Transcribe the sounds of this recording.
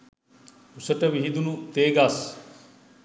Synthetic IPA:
usəʈɐʋiɦid̪unut̪eːɡas

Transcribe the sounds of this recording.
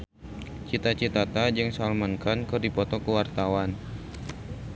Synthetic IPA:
t͡ʃit̪at͡ʃit̪at̪ad͡ʒɨŋsalmankankərdipɔt̪ɔkəwart̪awan

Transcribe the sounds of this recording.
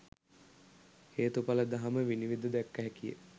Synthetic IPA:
heːt̪upaləd̪aɦaməʋiniʋid̪əd̪ækːəɦɛkijə̰

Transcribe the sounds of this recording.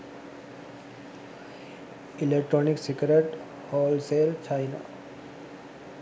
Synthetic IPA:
ilek̚ʈɾoniksikɾeʈ | hɔːlseːlt͡ʃʰajna̰

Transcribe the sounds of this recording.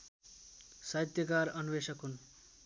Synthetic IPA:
saɦit̪jʌkaɾʌnuʋesʌkɦun

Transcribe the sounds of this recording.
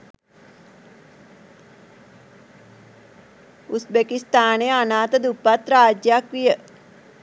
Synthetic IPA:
usbekist̪aːnejəanaːt̪əd̪upːat̪raːd͡ʒjakʋijə

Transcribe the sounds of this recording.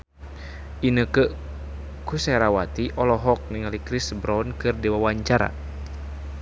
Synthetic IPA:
ʔinəkəʔ | kusɛɾawat̪iʔɔlɔɦɔk̚niŋalikɾisbɾɔnkɨrdiwawaɲt͡ʃaɾa̰

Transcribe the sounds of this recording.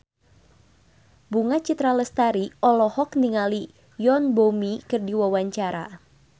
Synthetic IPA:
buŋat͡ʃit̪ɾaləst̪aɾiʔɔlɔhɔkniŋali | jɔnbomikɨrdiwawaɲt͡ʃaɾa

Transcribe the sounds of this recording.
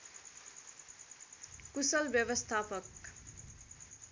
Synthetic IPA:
kusʌlbjʌʋʌst̪ʰapʌk

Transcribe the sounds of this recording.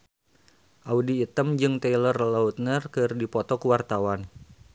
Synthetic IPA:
ʔaudiːt̪əmd͡ʒɨŋt̪ɛjlərlaut̪̚nərkɨrdipɔt̪ɔkuwart̪awan

